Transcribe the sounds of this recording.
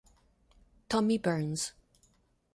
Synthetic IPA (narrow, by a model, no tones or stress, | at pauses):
tʰɔmibɜ˞nz̥